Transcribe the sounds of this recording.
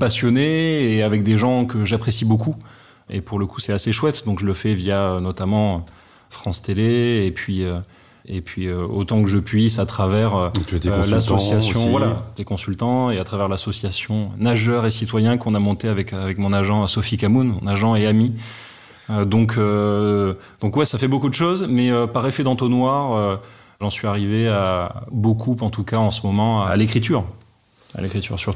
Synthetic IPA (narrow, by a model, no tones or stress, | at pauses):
pasjɔneːavɛk̚d̪eʒɑ̃kəʒapχesiboku | ḛpuʁləkusɛaseʃwɛt̪d̪ɔ̃kʒələfɛvjaønɔt̪amɑ̃ø | fχɑ̃st̪eleepɥiø | epɥiøo̰t̪ɑ̃kəʒəpɥisat̪χavɛʁøt̪et̪lasɔsjasjjɔ̃valat̪ekɔ̃sylt̪ɑ̃eat̪χavɛʁlasɔsjasjɔ̃naʒœʁesit̪wajɛ̃kɔ̃namɔ̃t̪eavɛkavɛkmɔ̃naʒɑ̃sɔfikamunmɔ̃naʒɑ̃eami | ød̪ɔ̃kʰø | d̪̥ɔ̃kwɛsafɛbokud̪əʃozmɛøpaʁefed̪ɑ̃t̪onwaʁø | ʒɑ̃sɥiaʁiveabokʰupɑ̃t̪ukaɑ̃səmɔmɑ̃aːlekχit̪yːʁ | a̰lekχit̪y̰ʁsyʁt̪u